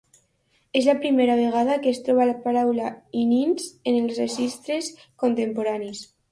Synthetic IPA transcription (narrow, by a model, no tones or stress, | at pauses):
ezlapɾimeɾaβ̞eɣ̞aðakest̪ɾɔβ̞alapaɾawlaininzenelˠzreʒist̪ɾes | kont̪empoɾanis